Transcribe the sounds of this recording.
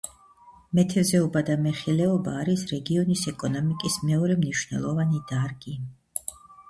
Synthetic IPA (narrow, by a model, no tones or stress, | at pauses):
mɛt̪ʰɛzɛɔbad̪amɛχilɛɔbaːɾisɾɛɡiɔnisɛkʼɔnɔmikʼismɛɔɾɛmniʃnɛ̰lˠɔvanid̪̥aɾɡi